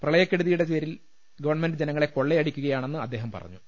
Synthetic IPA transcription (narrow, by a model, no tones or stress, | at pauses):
prɐɭɐjɐkʲːeɽuðijuɽe̞t͡ɕeːɾil | ɡɐʋɐrɳmendɨd͡ʑenɐŋːɐɭe̞ko̞ɭːeɐɽikʲːuɣɐjaːɳe̞nːɨɐd̪ːe̞ːɦɐmpɐ̰rɐ̰ɲːu